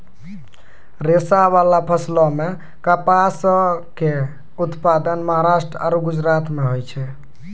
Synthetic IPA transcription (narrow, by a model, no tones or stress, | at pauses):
ɾesaβalapʰəslɔme | kapaske | ut̪pad̪ənməɦaɾasʈɾəa̰ɾuɡud͡ʒɾat̪meɦojt͡ʃʰɛ